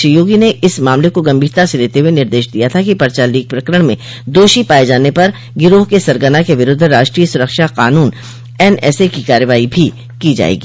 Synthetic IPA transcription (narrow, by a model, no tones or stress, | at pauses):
əjoːɡineʔɪsmaːmlekoɡɐmbʱiːɾt̪aseleːt̪eɦuwenɪɾd̪eːʃd̪ijat̪ʰakipɐɾt͡ʃaːliːɡ̚pɾɐkɾəɽ̃mẽ | d̪oːʃipaːed͡ʒaːnepɐɾ | ɡɪɾoːɦkesɐɾɡənakeʋɪɾʊd̪ʱɾaːʃʈɾiːjəsʊɾəkʃaqaːnuːn | ɛːnɛ̰ːsekikaːɾəʋaːibʱi | kid͡ʒa̰ːḛːɡiː